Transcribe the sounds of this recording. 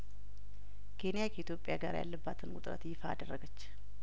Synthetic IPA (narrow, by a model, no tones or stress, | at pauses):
kʰe̞nijakʰəit̪jo̞pʼːjaɡa̰ɾja̰lːəbːat̪ʰɨnʊt̪ʼɾə̰t̪jɪfa̰ːd̪ərːəɡət͡ʃː